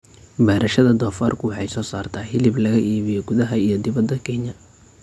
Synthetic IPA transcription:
baːɾʔɐʃɐðɐd̪ɔːfaːrkʰʊwɑħɑjsɔːsaːrt̪ʰaħɪlɪblɐɣɐʔiːβɪjɔɡʊðɐɦɐijɞd̪ɪβɐd̪ːɐkʰɛɲɐ

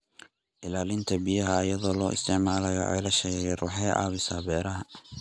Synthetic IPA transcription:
ʔɪlaːlɪnt̪ʰɐbijɐɦɐːjɐðɔːlɔːʔɪ̰st̪ʰɪʕmaːlɐjɐ̰ʔɛ̰jlɐʃɛɣɣɛrṵːħɑjʕɑ̰ːβɪsaːbɛːɾɐɦɐ

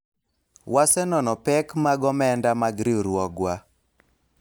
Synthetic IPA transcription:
wasɛnɔnɔpɛkmaɡɔmɛndamaɡɾiɾwɔɡwa

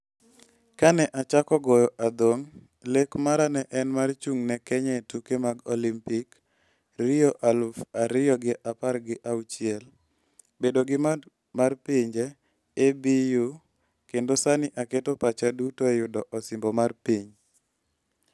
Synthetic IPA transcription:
kanɛʔat͡ʃakɔɡɔjɔʔad̪oŋ | lekmaɾanɛʔɛnmart͡ʃuŋnɛkɛɲɛtukemaɡolimpik | ɾijɔʔalufaɾɪjɔɡɪʔaparɡɪʔaut͡ʃɪɛl | bedoɡɪm | marpiɲd͡ʒɛː | biju | kendosanɪʔaketopat͡ʃadutojʊdɔʔɔsɪmbɔmarpiɲ

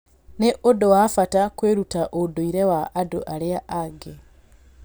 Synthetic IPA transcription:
neʔodowafatakweːɾutaʔodoiɾewaʔːdo̰ʔaleaʔaɡe

